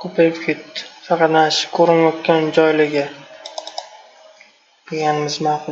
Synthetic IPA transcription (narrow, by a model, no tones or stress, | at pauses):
kʰopʰajkʲkʰʲet̪ːɪ̥fɑqʰɑt̪naʃɪ̥kʰɵɾɪnjɒt̪kʲand͡ʒɒjlɪɡʲɪ | d̪̥eɡʲanɪmɪzmawqʊ